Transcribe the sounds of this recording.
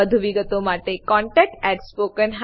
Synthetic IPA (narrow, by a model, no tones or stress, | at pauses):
əd̪ʱuʋiɡət̪omaʈekɔɳʈɛk̚ʈɛʈspokənɦ